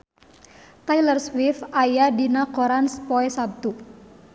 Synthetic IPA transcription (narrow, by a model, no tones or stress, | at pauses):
t̪ajlərswifajadinakoɾanspɔɛsab̚t̪u